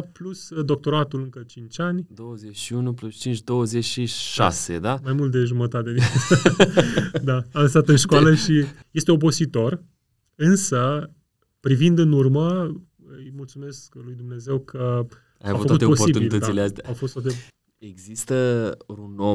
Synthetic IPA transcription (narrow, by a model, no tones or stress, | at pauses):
plusd̪o̞k̚t̪o̞ɾat̪ulɨŋkət͡ʃint͡ʃʲanʲd̪o̞wəzet͡ʃʃiunuplust͡ʃint͡ʃd̪o̞wəzet͡ʃʃiʃa̰sḛd̪ammajmult̪̚d̪e̞ʒumət̪at̪e̞d̪isə | d̪aanst̪at̪ɨnʃkoaləʃije̞st̪e̞op̬o̞zit̪o̞r | ɨnsə | pɾivind̪ɨnurmə | ɨjmult̪sume̞sklujd̪umne̞ze̞wkʰə | ajavufəut̪posib̪ilt̪əd̪ileast̪eaawfo̞st̪at̪e | eɡzist̪əuno